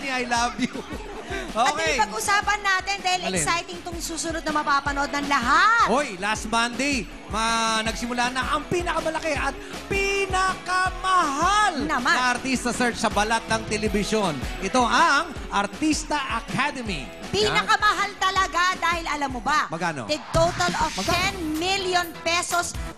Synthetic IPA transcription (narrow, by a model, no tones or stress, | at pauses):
niɐjlabju | ʔok̪ɛjpɐɡ̚ʔʊsaːpɐnːaːt̪ɪnd̪aːhɪlɛksajt̪ɪŋt̪oŋsuːsʊnod̪̚nɐmɐpapɐnod̪̚nɐŋlɐɦat̪ojlast̪mand̪ɛj | mɐnɐɡsɪmʊlanɐʔɐŋpinɐkɐmɐlɐkɛʔɐt̪̚ | pɪnɐkɐmɐɦalnɐmaɐɐɾt̪ist̪ɐsɛɹt͡ʃsɐbɐlat̪̚nɐŋt̪ɛlɛbɪʃonʔɛt̪o̞ʔɐŋ | ʔɐɾt̪ist̪ɐʔɐkʰad̪ɛmḭ | pinɐkɐmɐɦalt̪ɐlɐɡad̪aːhɪlɐlamːobamɐɡaːno̰d̪ɛt̪ot̪ɐlovmɐɡt̪ɛnmiljonpɛsos